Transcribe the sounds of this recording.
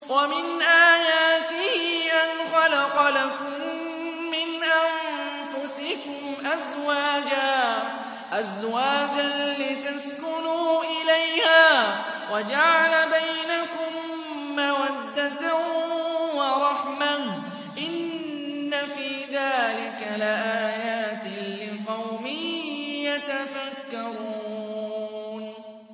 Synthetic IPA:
wamɪnʔaːjaːt̪ɪhɪʔanxɑlɑqɑlakʊmː | ɪnʔan | fʊsɪkʊmʔazwaːd͡ʒaː | ʔazwaːd͡ʒalɪt̪askʊnuːʔɪlajhaː | wad͡ʒaʕalabajnakʊmː | awad̪ːat̪a | wɑɾˤɑħmah | ʔɪnː | afiːðaːlɪkalɪʔaːjaːt̪lɪqɑwmɪjat̪afakːɑɾˤuː | n

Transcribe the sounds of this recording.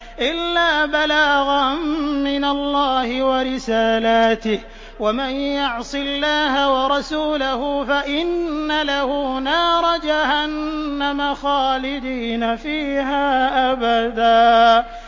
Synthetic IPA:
ʔɪlːaːbalaːɣammɪnalːɑːhɪwaɾɪsaːlaːt̪ɪh | wamanjʊʕsˤɨlːaːɦawɑɾˤɑsuːlahʊfaʔɪnːalahuːnɑːɾˤɑd͡ʒahanːamaxɑːlɪd̪iːnafiːhaːʔabad̪aː

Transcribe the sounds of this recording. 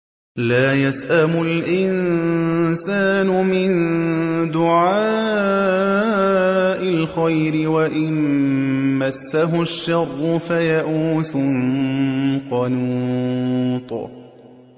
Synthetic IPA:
laːjasʔamʊlʔɪn | saːnʊmɪnd̪ʊʕaː | ʔɪlxajɾɪwaʔɪn | masːaɦʊʃːɑrˤːʊfajaʔuːsʊ | qɑnuːt̪ˤ

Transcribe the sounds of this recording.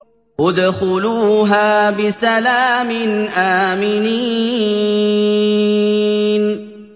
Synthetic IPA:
ʔʊd̪xʊluːɦaːbɪsalaːmɪnʔaːmɪni | n

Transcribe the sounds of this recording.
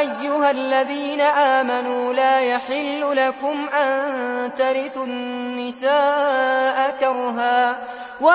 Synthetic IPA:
ʔajːʊɦalːaðiːnaʔaːmanuːlaːjaħɪlːʊlakʊmʔant̪aɾɪθʊnːɪsaːʔakɑɾˤɦaː | wa

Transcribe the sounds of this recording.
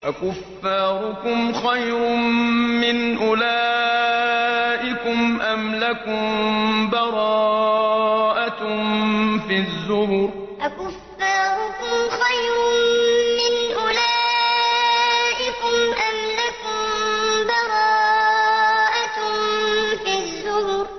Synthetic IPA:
ʔakʊfːɑːɾʊkʊmxajɾʊmːɪnʔʊlaː | ʔɪkʊmʔamlakʊmbɑɾˤɑː | ʔa | fizːʊbʊɾ | ʔakʊfːaːɾʊkʊmxajɾʊmɪnʔʊlaː | ʔɪkʊmʔamlakʊmbɑɾˤɑː | ʔa | fizːʊhʊɾ

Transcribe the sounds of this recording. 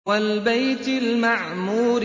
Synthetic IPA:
walbajt̪ɪlmaʕmuːɾ

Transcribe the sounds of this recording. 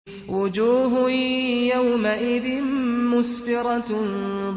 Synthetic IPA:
wʊd͡ʒuːɦjawmaʔɪðɪnmʊsbɪɾˤɑ

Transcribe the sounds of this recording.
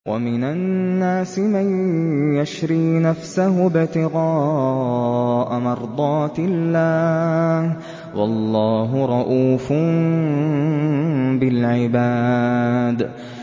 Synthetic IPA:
wʔa̰mɪnanːaːsɪmanjaʃɾiːnafsaɦʊbɪt̪ɪɣɑː | ʔamɑɾˤd̪ˤɑːt̪ɪlːaːh | wɑ̰lˤːɑːɦʊɾˤɑʔuːfʊ | bɪlʕɪbaː | d̪

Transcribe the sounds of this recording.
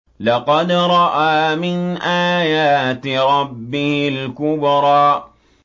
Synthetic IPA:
lɑqɑd̪ɾˤɑʔaːmɪnʔaːjaːt̪ɾˤɑbːɪhɪlkʊbɾˤɑːʔ

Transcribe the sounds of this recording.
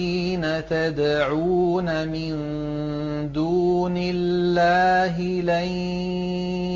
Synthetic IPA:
iːnat̪ad̪ʕuːnamɪn | d̪uːnɪlːaːɦɪla

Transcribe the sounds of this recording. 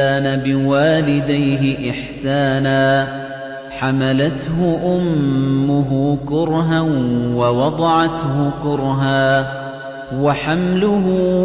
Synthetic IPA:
aːnabɪwaːlɪd̪ajɦɪʔɪħsaːnaː | ħamalat̪hʊʔʊmːʊɦʊkʊɾɦawɑwɑd̪ˤɑʕɑt̪hʊkʊɾɦaː | waħamlʊɦʊ

